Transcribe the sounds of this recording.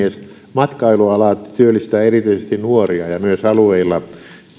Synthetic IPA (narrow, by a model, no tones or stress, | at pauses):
es | mɑt̪kɑiluɑlɑt̪yølːist̪æːerit̪yisest̪innuoriɑjɑmyøsɑlueilːɑ